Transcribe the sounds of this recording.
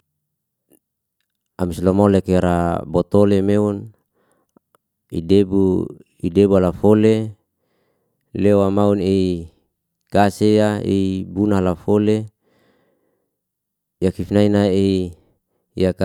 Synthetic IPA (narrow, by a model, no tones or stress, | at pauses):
amislomolekeɾabot̪olemeun | ḭdebu | idebualafole | lewamaunei | kasejaḭbunaɦlafole | jakifnainaei | jaka